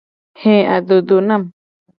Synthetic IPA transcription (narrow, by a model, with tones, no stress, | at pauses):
hẽ˦˨ʔa̰˧d̪u˧d̪u˧nã˦m